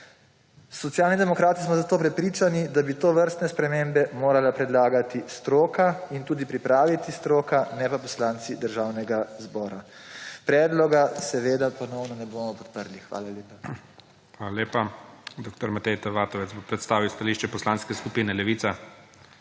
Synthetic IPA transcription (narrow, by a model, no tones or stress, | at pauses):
sːɔt̪sjaːlnid̪ɛmɔkɾaːt̪ismɔzat̪oːpɾɛpɾiːt͡ʃanid̪abit̪oːʋəɾst̪nɛspɾɛmembɛmoːɾalapɾɛd̪laːɡat̪ist̪ɾoːkaint̪uːd̪ipɾipɾaːʋit̪ist̪ɾoːkanɛpapɔslaːnt̪sid̪əɾʒaːwnɛɡazbɔːɾapɾɛːd̪lɔɡasɛʋeːd̪apɔnɔwnɔnɛboːmɔpɔt̪pəɾlixʋa̰ːlaleːpa | xʋaːlaleːpad̪oːk̚t̪ɔɾmat̪ɛjt̪ɛʋaːt̪ɔʋɛzbopɾɛt̪st̪aːʋiwst̪aliːʃt͡ʃɛpɔslaːnskɛskupiːnɛlɛʋisa